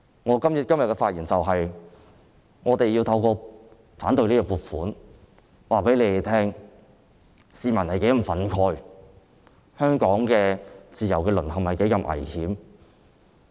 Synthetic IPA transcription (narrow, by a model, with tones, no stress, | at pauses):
ŋɔː˨˧kɐ˥mjt̚kɐ˥mjɐ˨t̚kɛ˧faː˧t̚jiː˨˩nt͡sɐ˨wɦɐ˨j | ŋɔː˨˧t̪e˨jiː˧wt̪ʰɐ˧wkɔː˧ | faː˨˥nt̪ɵ˨˧niː˥kɔ˧puː˨˩t̚fuː˨˥n | waː˨pe˨˥jle˨˧jt̪ʰɛː˥ŋ | siː˨mɐ˨˩nhɐ˨jke˨˥jɐ˨˩fɐ˨˥nkʰɔː˧j | hœː˥ŋkɔː˨˥ŋkɛː˧t͡siː˨˩jɐ˨˩wkɛː˧lɵ˨˩nhɐ˨mhɐ˨jke˨˥jkɐ˧mʔɐ̰˨˩jhiː˨˥m